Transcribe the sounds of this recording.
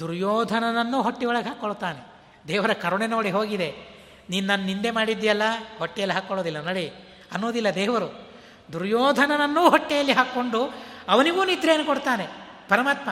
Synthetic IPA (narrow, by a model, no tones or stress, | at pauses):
d̪uɾjɔːd̪ʱɐnɐnɐnːuːɦoʈːiʋɔɭɐɡeɦaːkːoɭut̪ːaːne̞ | d̪ɛːʋɐɾɐkɐɾuɳeno̞ːɽiɦo̞ːɡid̪e̞ | niːnunɐnːunind̪e̞maːɽid̪ːijɐlːɐhoʈːɛjɐlːiɦaːkːoɭoːd̪ilːɐnoːɽi | ɐnːoːd̪ilːɐd̪ɛːʋɐɾu | d̪uɾjɔːd̪ʱɐnɐnɐnːuːɦɔʈːɛjɐlːiɦaːkːo̞ɳɖuɐʋɐniɡuːnid̪ɾeːnːukoɽut̪aːne̞ | pɐɾɐmaːt̪mɐ